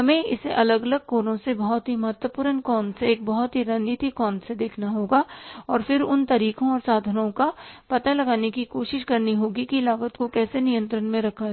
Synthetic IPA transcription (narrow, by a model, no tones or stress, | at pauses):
ɦɐmẽɪseʔɐləɡɐləɡ̚koːnõsebɐɦʊt̪ɦimɐɦət̪wəpuːɾənkɔːnseeːk̚bɐɦʊt̪ɦiɾɐ̃nd̪it̪ikɔːnsed̪eːkʰnaɦoːɡaːɔːɾfɪɾʊnt̪ɐɾiːkõɔːɾsaːd̪ʱənõkapɐt̪alɐɡaːnekikoːʃɪʃkɐɾniɦoːɡikilaːʋət̪kokɛːsenɪjə̃nt̪ɾənmẽɾɐkʰaɦ